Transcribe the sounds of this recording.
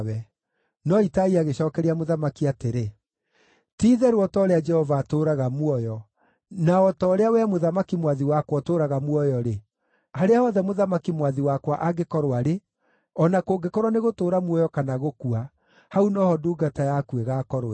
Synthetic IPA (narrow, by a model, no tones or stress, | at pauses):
wɛ | nɔitaiaɣeɕɔkɛɾiamoðamakiateɾe | tiːðɛɾwɔtɔɾead͡ʒɛhɔvaːtoːɾaɣamwɔjɔ | naɔtɔːɾeawɛmoðamakimwaðiwakwɔtoːɾaɣamwɔjɔɾe | haɾeahɔðɛmoðamakimwaðiwakwaʔaɡekɔɾwaɾe | ɔnakoːɡekɔɾwaneɣotoːɾamwɔjɔkanaɣokua | haunɔhɔduːɡatajakueɣaːkɔɾoɛ